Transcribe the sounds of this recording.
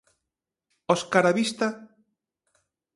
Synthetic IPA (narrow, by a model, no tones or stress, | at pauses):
oskaɾaβist̪a